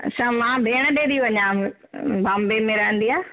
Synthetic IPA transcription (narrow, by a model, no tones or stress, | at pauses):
sãmãbʱeːɽ̃əɗẽːd̪iʋɐɲãː | bãmbemẽɾəɦə̃nd̪iaː